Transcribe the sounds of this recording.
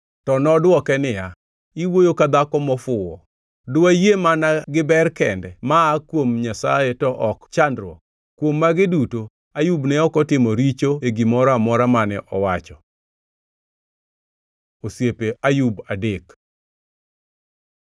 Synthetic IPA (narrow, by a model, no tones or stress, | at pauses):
tɔnɔdwɔkɛnɪja | iwojokad̪akɔmɔfʊwɔ | dʊajemanaɡɪbɛrkɛndɛmaːkwomɲasa̰jɛtɔʔɔkt͡ʃandɾwɔ̰k | kwomːaɡɪduto | ajubnɛɔkɔtɪmɔɾit͡ʃoeɡimɔɾamɔɾamanɛʔɔwat͡ʃɔ | osjepeajubadek